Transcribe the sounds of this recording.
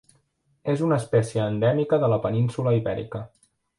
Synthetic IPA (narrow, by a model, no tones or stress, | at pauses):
ezunəːspɛsiəːnd̪ɛmikəðələpəninsuləiβɛ̰ɾḭkə